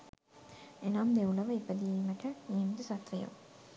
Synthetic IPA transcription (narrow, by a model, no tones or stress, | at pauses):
enamd̪euləʋəipəd̪iːməʈəniːmit̪əsat̪ʋəjo̰